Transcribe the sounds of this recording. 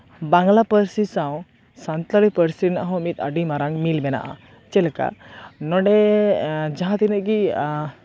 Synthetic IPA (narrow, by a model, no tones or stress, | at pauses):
baŋlapəɾsisãw | sant̪alipəɾsina̰ɦɔ̃mit̪a̰ɖimaɾaŋmilbɛna̰ʔa̰ | t͡ʃɛlka̰nɔɖɛ | d͡ʒaɦãt̪inəʔɡi